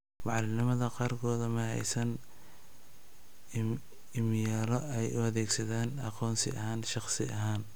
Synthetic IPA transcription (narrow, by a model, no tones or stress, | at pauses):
mɑʕɑlɪnɪmɐðɐqɑːrkʰɔːðɐmɐhɛ̰jsɐn | ɪmɪjaːlɔɛjʊɐðɛːɡsɐðɛːnɑ̰qɔːnsɪ̰ɐ̰ɦaːnʃɑχsɪ̰ʔɐɦaːn